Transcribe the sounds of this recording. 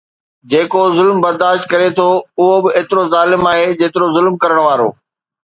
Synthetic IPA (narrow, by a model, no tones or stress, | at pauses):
d͡ʑeːkozʊlmbɐɾd̪aːʃt̪̚kɐɾet̪ʰoʊɦobɪʔeːt̪ɪɾozaːlɪmaːɦed͡ʑeːt̪ɪɾozʊlmkɐɾəɽ̃ʋaːɾo̰ː